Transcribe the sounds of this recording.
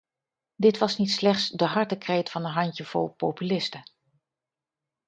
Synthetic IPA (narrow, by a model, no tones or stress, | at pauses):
dɪtʋɑsnitslɛχtsdəɦɑɹtəkrejtfɑnənɦɑntəv̥ɔ̰lˠpowpylɪstə